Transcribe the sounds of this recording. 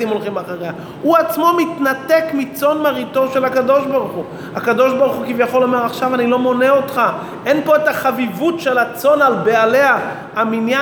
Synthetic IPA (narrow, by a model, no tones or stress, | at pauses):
imo̞lχimaχaʁeja | uat͡smo̞mit̪nat̪ekmit͡so̞nmaʁit̪o̞ʃe̞lhakad̪o̞ʃbaʁuχu | hakad̪o̞ʃbaʁuχukivjaχo̞lo̞meʁaχʃavanilo̞mo̞ne̞o̞tχa | ʔe̞npo̞etaχavivutʃe̞lat͡so̞nalbe̞ale̞a | aminja